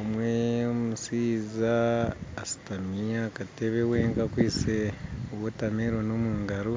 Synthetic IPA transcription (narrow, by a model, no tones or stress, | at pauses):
omweomusiːzaː | si̥tamijakateβeweːŋkakwiːseowotameɾonomuːŋɡaɾo